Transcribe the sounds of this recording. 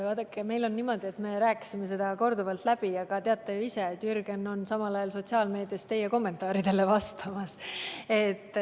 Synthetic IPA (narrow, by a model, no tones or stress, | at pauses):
vɑːd̪ɑkːˑeme̞jlo̞nːimo̞d̪̥ie̞t̪me̞ɾæːkːˑi̥sime̞se̞d̪̥ɑko̞rd̪uvɑlt̪læb̥iɑɡ̥ɑt̪e̞ɑt̪ˑːejuiset̪ːjyrɡ̥e̞no̞nsɑmɑlɑjɑlso̞t̪ʲsiɑːlme̞ːd̪̥ijɑst̪ːe̞jeko̞mːe̞nt̪ːˑɑːɾid̪̥e̞le̞vɑst̪ɑmɑse̞t̪ˑː